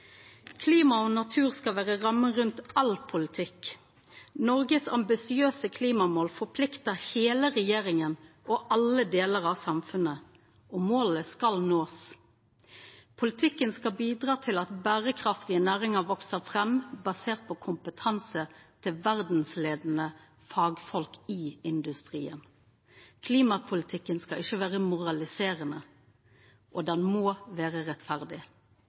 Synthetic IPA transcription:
kʰliːmɑɔnɑt̪ʰʉːʁskɑlʋæːʁəʁɑməʁʉnt̪ɑlpʰʊlɪt̪ʰɪk | nɔʁɡəsɑ̰mbɪsɪøːsəkʰliːmɑmoːlfɔʁpʰlɪkt̪əheːləʁɛjeːʁɪŋənʔɔʔɑləd̪eːləʁɑʋsɑmfʉnə | ɔmoːləskɑlnoːs | pʰʊlɪt̪ʰɪkːənskɑbiːd̪ʁɑːt̪ʰɪlɑt̪bæːʁəkʰʁɑft̪ɪənæːʁɪŋəʋɔksəʁfʁɛmbɑseːʁt̪̚pʰɔkʰʊmpət̪ʰɑnsət̪ʰɪlʋæʁd̪n̩sleːd̪n̩ə | fɑːɡfɔlkɪɪnd̪ʉst̪ʁḭːən | kʰliːmɑpʰʊlɪt̪ʰɪkːənskɑɪçəʋæːʁəmʊʁɑlɪseːʁənə | ʔɔd̪ɛnmoːʋæːʁəʁɛt̪fæʁd̪ɪ

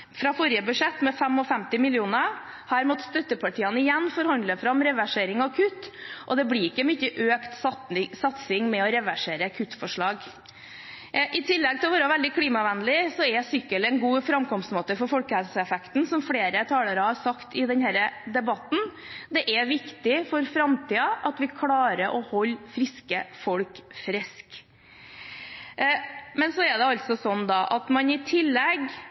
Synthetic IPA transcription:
fɾɑfɔɾjəbʉʂɛt̪ːmɛfɛmɔfɛmt̪ɪmɪlɪuːnə | hɑɾmɔt̪st̪œt̪ːəpʰɑʈʰiːənəɪjɛnːfɔɾhɑnd̪əfɾɑmɾɛʋæʂeːɾɪŋɑkʰʉt̪ʔɔd̪ɛblɪɾɪkːəmyçəʔøːkt̪sɑt̪sɪŋmɛɔɾɛʋæʂeːɾəkʰʉt̪ːfɔʂɭɑːɡ | ʔɪt̪ʰɪlːɛɡ̚t̪ɪlɔʋɑːɾɑʋɛld̪ɪkʰliːmɑʋɛnlɪsɔɛsʏkːəlɛnɡuːfɾɑmkɔmst̪moːt̪əfɔɾfɔlkəhɛlsəɛfɛkt̪n̩sɔmfɽeːɾət̪ʰɑːləɾəhɑɾsɑkt̪ɪd̪ɛnhæːɾəd̪ɛbɑt̪n̩ | d̪ɛʔɛʋɪkt̪ɪfɔɾfɾɑmt̪ʰiːɑʔɑt̪ʋɪkʰlɑːɾəʔɔhɔlːfɾɪskəfɔɽkfɾɪsk | mɛnsɔɛɖ̪ɛɑlt̪sɔsɔnːd̪ɑʔɑt̪mɑnɪt̪ʰɪlːɛɡ

